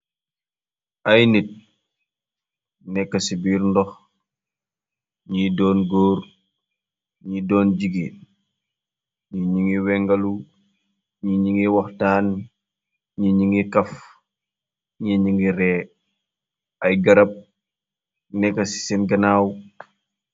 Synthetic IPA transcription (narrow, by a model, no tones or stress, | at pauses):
ɐjnit̚ | nɛkːɐsibiːɾndɔx | ɲidɔːnɡoːɾ | ɲidɔːnd͡ʒiɡi | ɲiɲiŋiwɛŋɡɐlu | ɲiɲiŋiwɐxtaːn | ɲiɲiŋikɐf | ɲiɲiŋɡiɾɛ | ɐjɡɐɾɐp̚ | nɛkːɐsi̥sɛnɡɐnaːw